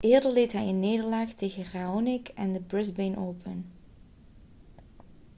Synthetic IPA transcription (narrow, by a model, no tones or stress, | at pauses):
ʔɪːɹdəɹlejtɦɛjənːeːdəɹlaːχtejɣəraːonɪkɛndəbɹɪzbenʔowpʰən